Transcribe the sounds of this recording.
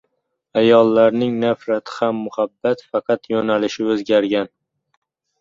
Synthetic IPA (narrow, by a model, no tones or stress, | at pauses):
ajɒlˠːaɾnɪŋnafɾat̪ʰɪ̥hamːʊhabːat̪fɑqʰɑt̪jɒnalɪʃɪɵzɡʲaɾɡʲan